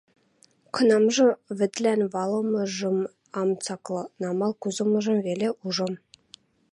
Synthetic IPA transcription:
kɤ̆nɑmʒɤ̆vɘ̆t̪lʲænvɑlˠɤ̆mɤ̆ʒɤ̆m | ɑmt͡sɑklˠɤ̆nɑmɑlˠkuzɤ̆mɤ̆ʒɤ̆mvelʲeʔuʒɤ̆m

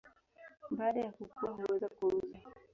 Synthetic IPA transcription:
baːɗajakukuwaɦuwɛzakuɾuza

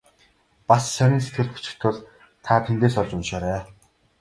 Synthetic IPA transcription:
passœnʲiːnset̪ɡɘ̆ɮpu̥t͡ɕɪ̥̆kt̪ʰʊ̆ɮ | t̪ʰaːt̪ʰent̪eːsɔɮt͡ɕʊnʃaːɾæː

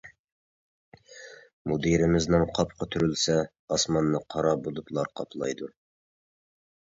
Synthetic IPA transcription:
mud̪iɾɪmɪznɪŋqʰɑp̚qʰɑt̪ʰyɾylsɛ | ɑsmɑnːɨqʰɑɾɑbod̪ut̪lˠɑɾqʰɑ̰plˠɑ̰jd̪u

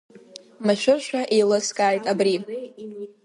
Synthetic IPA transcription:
maʃʷᶣʊrʃʷᶣaʔejlɨskʼaːjtʼabri

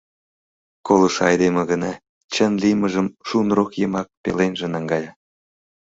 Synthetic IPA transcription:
kolˠɤʃɑjd̪emə̆ɡə̆nɑ | t͡ɕə̆nlʲijmə̆ʒə̆mʃunrokjəmɑk̚pʲḛlenʲʒĕnɑŋɡɑjɑ

